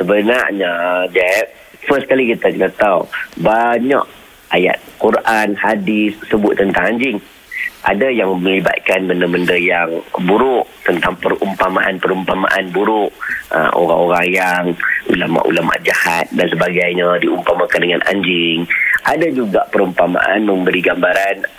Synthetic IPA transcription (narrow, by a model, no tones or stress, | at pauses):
səbənarɲad͡ʒɛp̚ | fəskalikit̪akənət̪awbaɲa̰ʔ | aja̰t̪̚kuɾʔanhadisːəbʊt̪ːənt̪aŋaɲd͡ʒɪŋ | ʔa̰dajaŋmə̃liba̰t̪̚kanbəndəməndəjaŋbuɾʊʔt̪ənt̪aŋpəɾṵmpamaʔanpəɾumpama̰ʔanbuɾʊʔə̰ʔo̰ɾa̰ŋoɾaŋjaŋṵlama̰ʔṵlama̰ʔd͡ʒahat̪̚dansəbaɡajɲadiumpamakandəŋanʔa̰ɲd͡ʒɪŋʔadad͡ʒuɡaʔpəɾumpama̰ʔanmə̃mbəɾiɡambaɾan